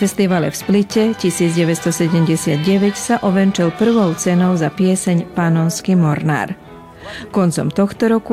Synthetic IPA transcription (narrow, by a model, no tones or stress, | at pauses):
fɛst̪iʋalɛfsplicɛcisiːd͡zɟɛʋɛst̪ɔsɛɟɛmɟɛsɪad̪̚ɟɛʋɛcsaʔɔʋɛnt͡ʃɛlpr̩ʋɔʊt͡sɛnɔʊzapɪɛsɛɲpanɔnskimɔɾna̰ːɾ | kɔnt͡sɔ̰mt̪ɔxt̪ɔɾɔku